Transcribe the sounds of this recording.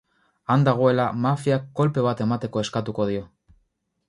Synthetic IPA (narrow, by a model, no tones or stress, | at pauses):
and̪aɣ̞o̞e̞lamafiakːo̞lpe̞β̞at̪e̞mat̪e̞ko̞e̞skat̪uko̞ð̞io̞